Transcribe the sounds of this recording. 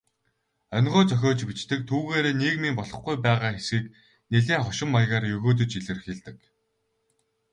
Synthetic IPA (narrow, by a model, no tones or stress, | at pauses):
œnʲʁʊːt͡sœxʲɔːt͡ɕpit͡ɕt̪ɘ̆k̚t̪ʰuːɣeːɾeːneːkmimpɔɮɞ̆χɡujpæːʁaːxesxiːk | neɮeːŋχɔʃɪ̆mːajʁaːrjɵɣoːt̪̬ɵ̆t͡ɕiɮɘ̆rxeɮt̪ɘ̆k